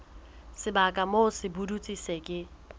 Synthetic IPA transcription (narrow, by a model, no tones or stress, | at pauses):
sɪbakʼamosɪbudut͡sʼisekʼɪ